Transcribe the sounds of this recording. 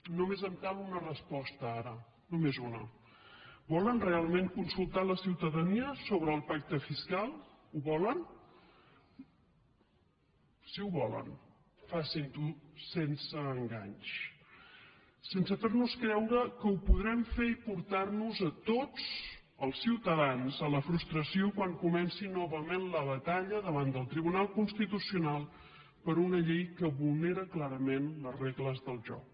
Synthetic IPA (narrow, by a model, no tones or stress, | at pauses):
numezəmk̪aβunərəspɔst̪əaɾə | numezunə̰ | bɔlənrealˠmẽŋkunsulˠt̪aləsiwt̪əðəniəsoβ̞ɾəːlˠpak̚t̪əfiskalˠ | uβɔlən | siuβɔlə̰n | fasint̪usensəːŋɡa̰ɲʃ | sensəfernuskɾɛwɾəkəupuðɾɛmfeipuɾt̪arnuzət̪ot͡s | əlˠsiwt̪əðanzələfɾust̪ɾəsiokwaŋkumɛnsinɔβəmenləβət̪aʎəðəβand̪əlˠt̪ɾiβunalˠkunst̪it̪usiunalˠ | pəɾunəʎejkəβulˠneɾəklaɾəmenləzreɣləzðəlˠʒɔ̰k̚